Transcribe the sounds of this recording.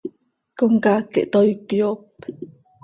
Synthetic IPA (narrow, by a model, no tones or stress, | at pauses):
koŋkakḛʔt̪ojkjop